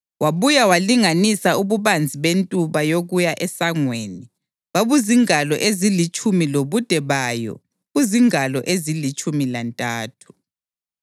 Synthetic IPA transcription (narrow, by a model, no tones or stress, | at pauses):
waβujawaliŋanisauβuβand͡zʱiβentʼuβajoɣujaʔɛsaŋweːni | βaβuziŋalɔ̰ʔezilit͡ʃʼumiloβud̥ʱɛβaːjɔ̰ | ɣuziŋalɔ̰ʔezilit͡ʃʼumilantʼaːtʰu̥